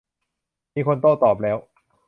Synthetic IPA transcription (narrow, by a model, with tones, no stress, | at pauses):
miː˧kʰo˧nt̪oː˥˩t̪ɔː˨˩p̬̚lɛː˦˥w